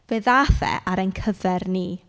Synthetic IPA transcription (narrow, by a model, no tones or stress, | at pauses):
b̥eːðaθɛ̰ʔaɾənkʰəvɛrniː